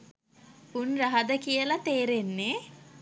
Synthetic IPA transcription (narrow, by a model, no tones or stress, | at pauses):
punrɐɦad̪əkijəlat̪eːɾenːe